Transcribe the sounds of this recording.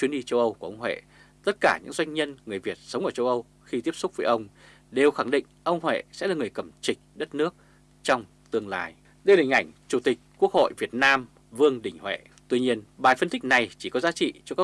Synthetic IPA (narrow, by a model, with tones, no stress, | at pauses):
t͡ɕwi˨˦ənɗi˧t͡ɕə˧wʔə˧wku˧˩ʔə˧wŋ͡mhwḛ˧˨ | t̪ə˦˥t̚kaː˧˩ɲɨ̰˧˥ŋzwa˧jŋ̟ɲə˧nŋɨ˨˩əjvi˨˩ət̚sə˨˦ŋ͡mʔəː˧˩t͡ɕə˧wʔə˧w | xi˧t̪i˦˥əp̚sʊ˦˥k͡p̚vəː˨˦ʔə˧wŋ͡m | ɗe˨˩wxa˧˩ŋɗḭ̈˧˨ŋ̟ʔə˧wŋ͡mɦwḛ˧˨sɛ̰˧˥laː˨˩ŋɨ˨˩əjkə˧˩mt͡ɕï˨˩ŋ̟̚ɗə˦˥t̚nɨ˦˥ək̚ | t͡ɕɔ˧wŋ͡m | t̪ɨ˧əŋlaː˧˩j | ɗə˧jla˨˩ŋ̟ʔa˧˩jŋ̟t͡ɕu˧˩t̪ï˨˩k̟̚ku˦˥ək̚ho̰˧˨jvi˨˩ət̚naː˧m | vɨ˧əŋɗï˧˩ŋ̟hwḛ˧˨ | t̪wi˧ɲi˧ənɓaː˨˩fə˧nt̪ï˦˥k̟̚na˨˩jt͡ɕi˧˩kɔ˨˦zaː˨˦t͡ɕḭ˧˨t͡ɕɔ˧kaː˦˥